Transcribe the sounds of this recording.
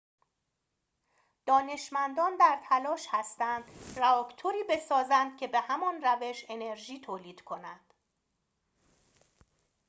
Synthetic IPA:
d̪̥ɒːne̞ʃmænd̪ɒːnd̪æɾt̪ʰælɒːʃhæst̪ænd̪ræɒːkʰt̪ʰoɾiːbe̞sɒːzænd̪̥cʲʰe̞be̞hæmɒnræve̞ʃe̞ne̞ɾʒiːt̪ʰoːliːd̪̥kʰo̞nænd̪̥

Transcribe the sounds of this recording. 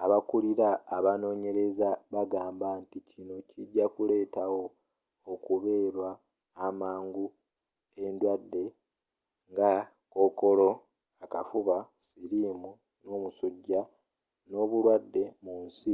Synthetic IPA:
aβakuliɾaːβano̞ːɲe̞ɾe̞zaβaɡaːmbanticʰino̞ciɟːakule̞ːtawo̞ː | kuβe̞ːɾwaː | maːŋɡu | e̞ndwadːe̞ | ŋɡa | ko̞ːko̞lo̞ | akafuβasiɾimu | no̞ːmusuɟːa | no̞ːβulwadːe̞muːnsi

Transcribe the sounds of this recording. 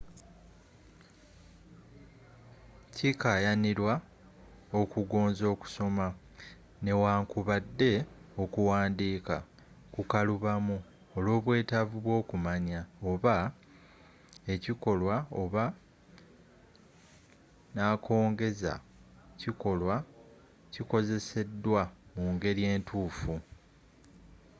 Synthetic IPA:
cikajaniɾwa | o̞kuɡo̞ːnzo̞ːku̥so̞ma | ne̞waːŋkuβadːe̞o̞kuwaːndiːka̰ | kukaluβamu | olo̞ːβwe̞ːtavuβwo̞ːkumaɲaoβa | e̞ciko̞lwao̞βa | nakʰo̞ːŋɡe̞za̰ | ciko̞lwa | ciko̞ze̞se̞dːwamuːŋɡe̞ɾje̞ːntuːfu

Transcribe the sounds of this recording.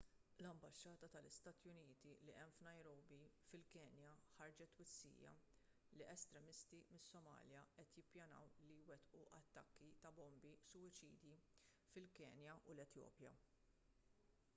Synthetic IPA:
lɐmbɐʃːɐːt̪ɐt̪ɐlɪst̪ɐːt̪jʊniːt̪iliʔɛmfnɐjɾɔːbifɪlkɛːnjɐħɐɾd͡ʒɛt̪ːwɪt͡sːḭːjɐ̰ | liʔɛst̪ɾɛmɪst̪imɪsːɔmɐ̰ːljɐʔɛt̪jɪpːjɐnɐ̰wlijwɛt̪ʔuʔɐt̪ːɐkːit̪ɐbɔmbisʊwɪt͡ʃiːd̪ji | fɪlkɛ̰ːnjɐʔulɛt̪jɔ̰ːpjɐ̰

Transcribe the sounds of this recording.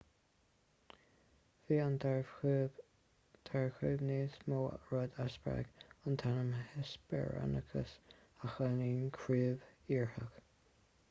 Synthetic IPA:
viːantɹ | t̪ʰaɹxuːvneːsmoːɹɔd̪asbɹa̰ɡ̥ənt̪ʰanəmhɛsbɛ̰ɹa̰nəkʰə̰s | axəniːnkʰɹiːviːɹhəɡ̥

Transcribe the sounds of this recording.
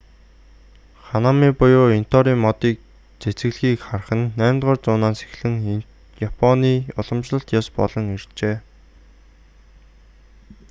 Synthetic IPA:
χanamiːpʊjʊːin̥t̪ɔɾiːŋmɔt̪iːk̚ | t͡set͡sɘ̆ɣɮxiːkχarχə̆nːæːmt̪ʁɔːrt͡sʊːnaːnse̥xɮɘ̆ŋ | japʰɔniːʊɮɞ̆mt͡ɕɮə̆ɬt̪jaspɔ̰ɮɞ̆ŋer̥t͡ɕeː

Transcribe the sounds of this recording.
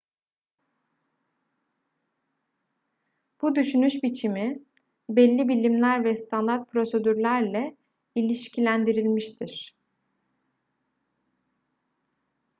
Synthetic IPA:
b̥ud̪yʃynyʃbit͡ʃʰimi | bɛlʲːibilʲimlʲæɾvɛst̪ʰand̪aɾt̪̚pʰɾo̞se̞d̪yɾlʲæɾlʲɛ | ilʲiʃcʰilʲænd̪iɾilʲmiʃt̪ʰiɾ̥

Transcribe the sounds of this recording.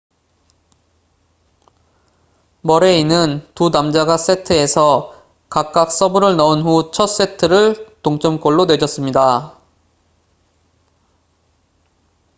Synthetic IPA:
mʌɾe̞inɯntunamd͡ʑaɡas͈e̞tʰɯe̞sʰʌ | kak̚k͈ak̚s͈ʌbɯɾɯɭnʌunɦut͡ɕʰʌt̚s͈e̞tʰɯɾɯɭtoŋt͡ɕ͈ʌmk͈ʌɭːonwe̞d͡ʑʌs͈ɯmɲida

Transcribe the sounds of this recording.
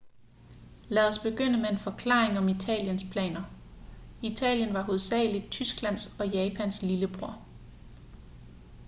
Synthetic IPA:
læðˠɒ̽sb̥e̝ɡ̥øn̰əmeenfɒ̽kʰlɑ̈ːeŋɒ̽mit͡sʰɛ̰ːljənspʰlɛ̰ːnɐ | it͡sʰɛ̰ːljənʋɑ̈ɦo̝ðˠsɛ̰ːlid̥̚t͡sʰysɡ̥læn̰sɒ̽jɛːpʰæn̰sliləb̥ʁoɐ̰

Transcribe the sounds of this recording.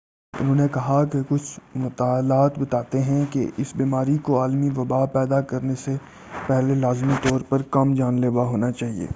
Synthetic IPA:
ʊ̰nɦõːnekɐɦakekʊt͡ʃʰmɐt̪aːlaːt̪bɐt̪aːt̪eɦɛ̃keʔɪsbiːmaːɾikoaːlmiʋɐbaːpɛːd̪akɐɾnese | pɛɦlelaːzmit̪ɔːɾpɐɾkɐmd͡ʒaːnleːʋaɦoːnat͡ʃaːɦiḛː

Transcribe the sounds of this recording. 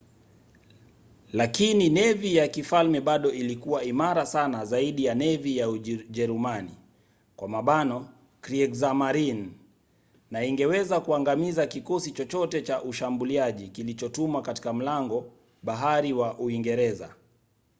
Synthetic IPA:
lakininɛvijakifalmɛɓaɗɔʔilikuwaimaɾasanazaiɗijanɛvijauʄɛɾumani | kwamaɓanɔ | kɾiɛɡzamaɾinː | aiŋɡɛwɛzakuaŋɡamizakikɔsit͡ʃɔt͡ʃɔtɛt͡ʃaʔuʃambuliaʄikilit͡ʃɔtumwakati̥kam̩laŋɡɔ | ɓaɦaɾiwaʔuiŋɡɛɾɛza̰

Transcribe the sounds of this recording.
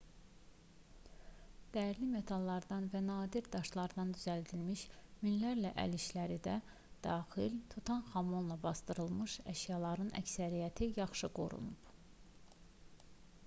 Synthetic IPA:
d̪̥æjɾlime̞t̪ʰɑlˠːɑɾd̪ɑnvænɑːd̪iɾd̪ɑʃlˠɑɾd̪ɑnd̪yzæld̪ilmiʃminlæɾlæʔæ̰liʃlæɾid̪æ | d̪̥ɑːxilt̪ʰut̪ʰɑnxɑmonlˠɑbɑsd̪ɯɾɯlˠmɯʃæʃjɑlˠɑɾɯnʔæ̰csæɾijæt̪ʰijɑχʃɯɡo̞̰ɾṵnub̥

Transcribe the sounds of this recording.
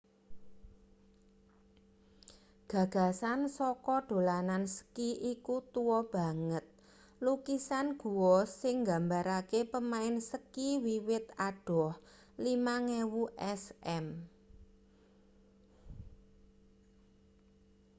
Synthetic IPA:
ɡ̥ä̤ɡ̥a̤sansɔkɔɖ̥o̤lanansə̥kiʔikut̪uwɔb̥a̤ŋət̪̚ | lukisanɡ̥ṳwɔsɪŋɡa̤mbaɾakepəmaɪnsəkiwiwɪt̪aɖ̥ɔ̤h | limaŋewuʔɛsɛm

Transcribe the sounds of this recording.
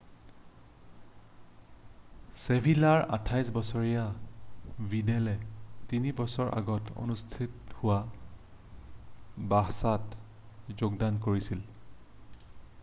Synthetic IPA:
sebʱilaɹa̰tʰajsbɔsɔɹija | bidɛlɛtinibɔsɔɹʔa̰ɡɔto̰nustʰithʊwa | baɦsat | zoɡ̚dankoɹisil

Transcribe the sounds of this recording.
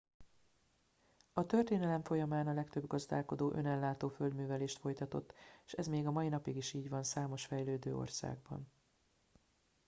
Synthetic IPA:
ɒt̪ø̞rt̪eːnɛlɛɱfo̞jɒmaːnɒlɛkt̪øbɡɒzd̪a̰ːlko̞d̪oːʔønɛlːaːt̪oːføld̪myːvɛleːʃt̪fo̞jt̪ɒt̪o̞t̪ːʃɛzmeːɡɒmɒinɒpiɡiʃiːɟvɒnsaːmo̞ʃfɛjløːd̪ø̰ːo̰rsa̰ːɡ̚bɒ̰n

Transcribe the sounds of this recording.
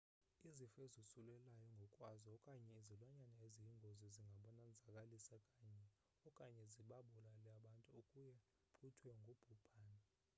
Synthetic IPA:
izifezusulɛlajɔŋɡʱɔkʼwazɔɔkʼaɲɛizilwaɲanaeziiŋɡʱoziziŋɡʱaɓɔnand͡zʱakʼalisakʼaɲɛ | ɔkʼaɲɛziɓaɓulalaɓantʼuokʼujɛ | pʰutʰwɛŋɡʱob̥ʱub̥ʱaːna

